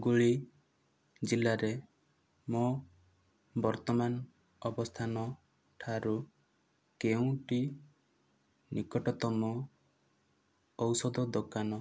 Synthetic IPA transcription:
ɡuɭi | d͡ʒilaɾe | mɔ | bɔɾt̪ɔman | ɔbɔst̪ʰanɔ | ʈʰaɾu | keũʈi | nikɔʈɔt̪ɔmɔ | wsɔd̪ɔd̪ɔkanɔ

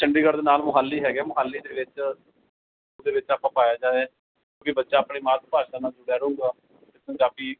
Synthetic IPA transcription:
t͡ʃəɳɖiːɡəɾd̪eːnaːlmʊɦaːlːiːɦɛːɡɛːmʊɦaːlːiːd̪eːʋɪt͡ʃ | oːd̪eːʋɪt͡ʃaːpãːpaːjaːd͡ʒaːɛː | kjõːkɪbətːʃaːpɳiːmaːt̪̚paːʃaːnaːd͡ʒʊɽaːɾʊ̃ːŋɡaː | t̪ɪpəɲd͡ʒaːbiː

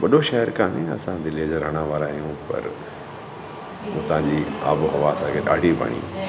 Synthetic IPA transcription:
ʋɐɗoʃɐɦəɾkaːnĩɐ̰sãd̪ɪlid͡ʑoɾɐɽ̃ãʋaːɾaːɦijũpɐ̰ɾ | mũːt̪ɐʋ̤ãːɲd͡ʑiːa̰ːbɦɐʋaɐsãkʰeɗa̰ːɖʱibɐ̰ɽ̃ḭː

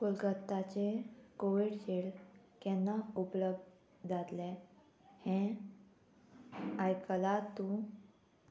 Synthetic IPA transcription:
pulɡət̪ːat͡ɕekoʋiɽd͡ʑeɭ | kɛnːaupləb̚d̪ | d͡zat̪le | hɛ̃ | ajkəlat̪ːũ

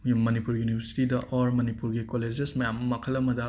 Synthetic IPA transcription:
ɐnipuɾjunibʱɐɾsi̥tidɐʔʔoɾmɐnipuɾɡikoled͡ʒesmɐjamːɐmɐkʰɐlːɐmɐdɐ

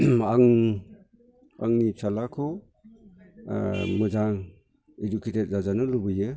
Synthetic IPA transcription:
aŋ | a̰ŋnisʰalakʰɔ | mɯzaŋ | eduketet̚zazanɯlubɯjɯ

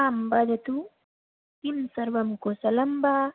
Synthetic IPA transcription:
aːmbad͡ʒɐt̪u | t̪imsɐɾʋɐmkosɐlɐmbaː

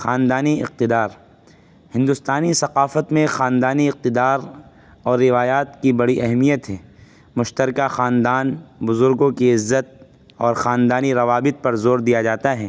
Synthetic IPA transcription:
xaːnd̪aːniɪ̰q̚t̪ɪd̪aːɾ | hɪ̃nd̪ʊst̪aːnisɐqaːfət̪mẽxaːnd̪aːniɪq̚t̪ɪd̪aːɾ | ɔːɾːɪʋaːjaːt̪kibɐɽiʔɛɦmijət̪ɦɛː | mʊʃt̪əɾkaxaːnd̪aːnbʊzʊɾɡõkiɪzːət̪̚ | ɔːɾxaːnd̪aːniɾɐʋaːbɪt̪̚pɐɾzoːɾd̪ijad͡ʒaːt̪aɦɛː

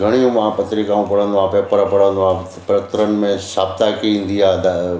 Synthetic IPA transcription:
ɡʱɐɽ̃ijũmãpɐt̪ɾikãːũpɐɽ̤ə̃nd̪oãːpeːpəɾəpɐɽ̤ə̃nd̪oã | pɾɐt̪ɾənɪ̆mẽsaːb̚t̪akiĩːn̆d̪iaːd̪a

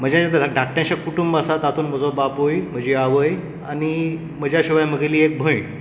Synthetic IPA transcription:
m̤əd͡ʑãt͡ɕant̪əɖʱak̚ʈjãt͡ɕakuʈumbəsat̪at̪ʰuːnməd͡zɔbapojm̤əd͡ʑeaʋəj | añi | məd͡ʑʱjaɕiʋajməɡeliːek̚bʱəj

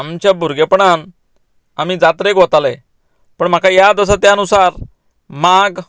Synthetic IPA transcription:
amt͡ɕjabʱuɾɡepɳan | am̤iːd͡zat̪ɾekʋot̪ale | pəɳm̤akajad̪əs̬at̪jaənusaɾ | maɡ

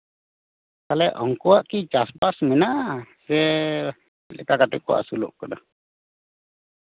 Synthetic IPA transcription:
kalɛʔɔŋkuaʔkit͡ʃasbasmɛnasɛ | lɛkakat̪ukua̰ʔsulṵʔkːɔɗɔ

